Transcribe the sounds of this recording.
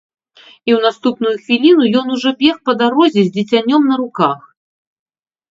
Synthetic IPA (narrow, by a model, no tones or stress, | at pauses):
iwn̪ast̪upnujuxvʲilʲinujɔnuʐɔbʲɛxpɐd̪aɾɔzʲɛzʲd͡zʲit͡sʲanʲːɔmnɐɾukax